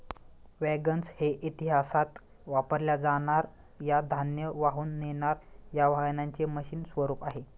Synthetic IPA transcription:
ʋɛɡənsheʔit̪iɦasat̪ | ʋapəɾljad͡zaɽ̃aɾ | jad̪ʱanjəʋaɦuːnːenaɾjaʋʱajnaɲt͡seməɕiːnsʋəɾuːpaɦe

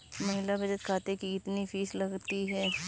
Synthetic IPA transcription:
mɐɦɪlabɐd͡ʒət̪kʰaːt̪ekiɪt̪nifʰiːslɐɡt̪iɦɛː

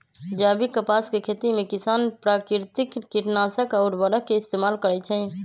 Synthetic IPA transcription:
d͡ʒabikəpaskekʰet̪imekisanpɾakiɾt̪ikːiʈnasəkaʊɾbəɽəkːeist̪emalkəɾɛt͡ʃʰɛ̃

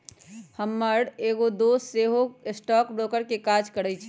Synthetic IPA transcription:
həmːəɽeɡod̪oseɦosʈɔkbɾokəɾkekad͡ʒʱkəɾɛt͡ʃʰ

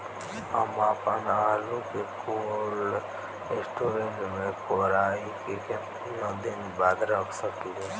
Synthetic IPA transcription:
ə̰maːpənalukekol | esʈoɾeɳʈmẽkoɾaːikekemtiəd̪inbaːd̪ɾəksəkie

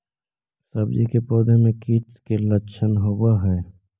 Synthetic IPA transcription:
səbd͡ʒḭkepɔːd̪emẽkiːt̪keləʃʰənɦobaɦɛː

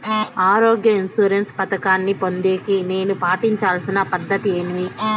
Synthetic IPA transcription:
aːɾoːɡjɐinsuːɾenspɐt̪ɐkaːnːipo̞nd̪eːkine̞ːnupaːʈiɲt͡ʃaːlɐsinɐpɐd̪ːɐt̪ieːmʋi

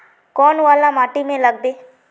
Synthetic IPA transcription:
kɔːnʋaːlamaːʈimẽlɐɡ̚b̪eː

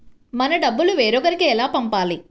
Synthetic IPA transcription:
mɐnɐɖɐbːuluʋeːɾɔkɐɾikiɛlaːpɐmpaːli

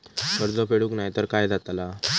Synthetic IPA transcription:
kəɾd͡zɔpeɽuːknajt̪əɾkajd͡zat̪la

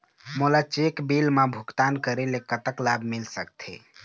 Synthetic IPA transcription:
molat͡ʃekbilmãbʱukt̪ankəɾelekət̪əklabʱmilsək̚t̪ʰḛ

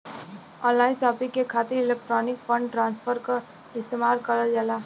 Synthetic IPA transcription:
ɔnlajsʌpikekʰat̪iɾilek̚ʈɾɔnikpʌɳɖʈɾanspʰʌɾko | ist̪emaɾkʌɾʌld͡ʒala

